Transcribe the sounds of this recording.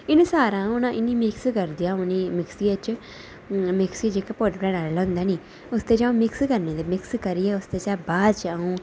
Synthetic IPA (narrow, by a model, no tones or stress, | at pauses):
ɪnsaːɾãːʊnãːʔɪnːiːmɪkskəɾd̪ijãːʊnimɪksiet͡ʃ | mɪksid͡ʒeːkapoʈpɾɛːɽaːlelə̃ːnd̪aːniː | ʊst̪eːd͡ʒaːõːmɪkskəɾneːd̪eːmɪkskəɾiɛːʊst̪eːt͡ʃaːbaːd̪t͡ʃaːũː